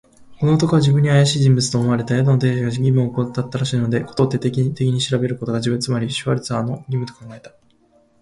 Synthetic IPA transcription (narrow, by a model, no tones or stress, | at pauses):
ko̞no̞ot̪o̞koad͡ʑibɯ̃ɲ̟ːiajaɕiːʑĩmbɯt͡sɨ̥t̪oːmaɾe̞t̪ajad̪onot̪e̞ːɕiɡaɡʲimɯ̟oːkot̪ːat̪ːaɾaɕiːno̞d̪e̞kot̪o̞ːt̪ːet̪et̪e̞kʲiɲ̟iɕiɾabe̞ɾɯ̟ko̞t̪o̞ɡad͡ʑibɯ̟nt͡sɨmaɾʲiɕoβaɾʲit͡sɨaːno̞ɡʲimɯ̟t̪o̞̥kʰãŋɡae̞t̪ḁ